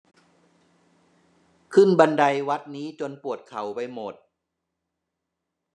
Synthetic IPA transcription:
kʰɯ˥˩nba˧nda˧jwa˦˥t̪̚niː˦˥t͡ɕo˧npu˨˩ət̪̚kʰa˩˦wpa˧jmo˨˩t̪̚

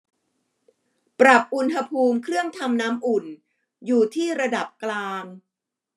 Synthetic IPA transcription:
pɾa˨˩p̚ʔu˨˧nɦa˧pʰuː˧mkʰɾɯ˥˩əŋt̪ʰa˧mnaː˦˥mʔu˨˩n | juː˨˩t̪ʰiː˥˩ɾa˧da˨˩p̚klaː˧ŋ

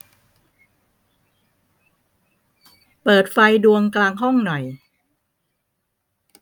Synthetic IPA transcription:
pɤː˨˩t̪̚fa˧jdu˧əŋklaː˧ŋɦɔ˥˩ŋnɔ˨˩j

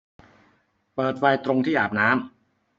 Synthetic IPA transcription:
pɤː˨˩t̪̚wa˧jt̪ɾo˧ŋt̪ʰiː˥˩ʔaː˨˩p̚naː˦˥m

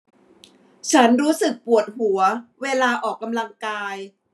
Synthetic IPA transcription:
t͡ɕʰa˦˥nɾuː˦˥sɯ˨˩k̚pu˨˩ət̪̚hu˩˦ɐweː˧laː˧ʔɔː˨˩kːa˧mla˧ŋkaː˧j

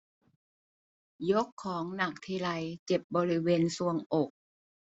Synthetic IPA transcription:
jo˦˥kʰːɔː˩˦ŋna˨˩k̚t̪ʰiː˧ɾa˧jt͡ɕe˨˩p̚bɔː˧ɾi˦˥weː˧nsu˧˩əŋʔo˨˩k̚

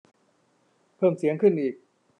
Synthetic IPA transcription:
pʰɤː˥˩msi˨˩˦əŋkʰɯ˥˩nʔiː˨˩k̚

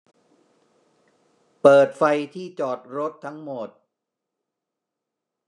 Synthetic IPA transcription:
pɤː˨˩t̪̚fa˧jt̪ʰiː˥˩t͡ɕɔː˨˩t̪̚ɾo˦˥t̪ʰːa˦˥ŋmo˨˩t̪̚

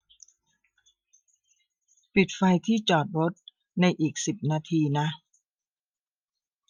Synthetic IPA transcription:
pi˨˩t̪̚fa˧jt̪ʰiː˥˩t͡ɕɔː˨˩t̪̚ɾo˦˥t̪̚ | na˧jʔiː˨˩k̚si˨˩p̚naː˧t̪ʰiː˧na˦˥

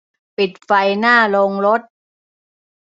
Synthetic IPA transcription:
pi˨˩t̪̚fa˧jnaː˥˩lo˧ŋɾo˦˥t̪̚

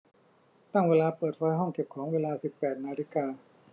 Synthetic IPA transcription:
t̪a˥˩ŋweː˧laː˧pɤː˨˩t̪̚ɾɔː˦˥jɦɔ˥˩ŋke˨˩p̚kʰɔː˩˦ŋweː˧laː˧si˨˩pːɛː˨˩t̪̚naː˧li˦˥kaː˧

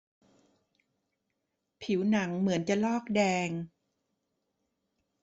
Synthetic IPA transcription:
pʰi˨˩˦wna˩˦ŋmɯ˩˦ənt͡ɕa˨˩lɔː˥˩k̚dɛː˧ŋ

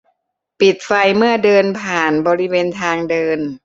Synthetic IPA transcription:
pi˨˩t̪̚fa˧jmɯ˥˩ɐdɤː˧npʰaː˨˩nbɔː˧ɾi˦˥weː˧nt̪ʰaː˧ŋdɤː˧n

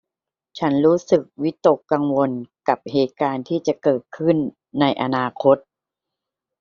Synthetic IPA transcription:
t͡ɕʰa˦˥nɾuː˦˥sɯ˨˩k̚wi˦˥t̪o˨˩kːa˧ŋwo˧nka˨˩p̚heː˨˩t̪̚kaː˧nt̪ʰiː˥˩t͡ɕa˨˩kɤː˨˩t̪̚kʰɯ˥˩nː | a˧jʔa˧naː˧kʰo˦˥t̪̚

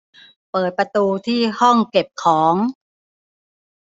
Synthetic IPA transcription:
pɤː˨˩t̪̚pɾa˧t̪uː˧t̪ʰiː˥˩hɔ˥˩ŋke˨˩p̚kʰɔː˩˦ŋ

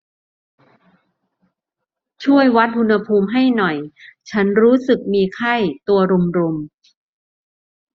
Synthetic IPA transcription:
t͡ɕʰu˥˩əjwa˦˥t̪̚hu˧nha˧pʰuː˧mɦa˥˩jnɔ˨˩jt͡ɕʰa˦˥nɾuː˦˥sɯ˨˩k̚miː˧kʰa˥˩jt̪u˧ɐɾu˧mɾu˧m

